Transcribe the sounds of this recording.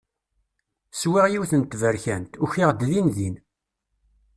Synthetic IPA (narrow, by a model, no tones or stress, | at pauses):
swiʁjiwθənt̪ːvəɾçænt̪ʊçiʁd̪ðinðin